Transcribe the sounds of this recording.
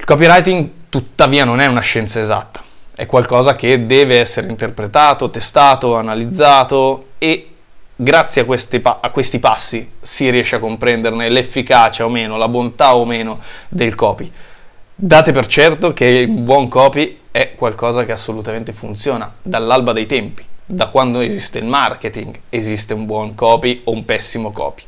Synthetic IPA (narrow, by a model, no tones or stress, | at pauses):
ilkɔpiɾajt̪iŋɡt̪ut̪ːaviːanonɛunaʃːɛnt̪saeza̰t̪ːḁɛ̰kːwalkɔːzak̟ed̪ːɛːveɛsːeɾeint̪erpɾet̪aːt̪ot̪est̪aːt̪oanalid̪zːaːt̪oe | ɡɾat̪sːjeakwest̪paakːwest̪ipasːisiriɛʃːeakːompɾɛnd̪ernelefːikaːt͡ʃaomeːnolabont̪aomeːnod̪elkɔːpi | d̪aːt̪epert͡ʃɛrt̪ok̟eumbwɔŋkɔːpiɛkːwalkɔːzak̟easːolut̪ament̪efunt̪sjoːnad̪alːalbad̪ejt̪ɛmpi̥d̪akːwand̪oezist̪eilmark̟et̪iŋɡezist̪eumbwɔŋkɔːpioumpɛsːimokɔ̰ːpi̥